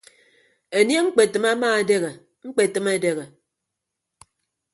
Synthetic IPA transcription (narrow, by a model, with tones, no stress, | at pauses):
e˨nje˦ŋ͡m̩˦k͡pe˨tɨ˨ma˦maː˦e˨de˦ɣe˨ | ŋ͡m̩˦k͡pe˨tɨ˦me˦de˦ɣe˨